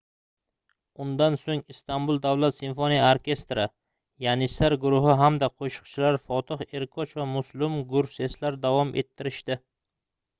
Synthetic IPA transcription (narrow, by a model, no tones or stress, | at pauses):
ʊnd̪ansoŋɪst̪ambʊlˠd̪awlˠat̪sɪnfonijaoɾkʲe̞st̪ɾa | janɪsaɾɡʊɾʊɦɪɦamd̪aqʰoʃʊ̥qt͡ʃʰɪlaɾfɒt̪ʰɪχe̞ɾkʰɒt͡ʃvamʊslˠɪmɡʊɾfse̞slaɾd̪avɒmʔḛt̪ʰːɪɾɪʃt̪ɪ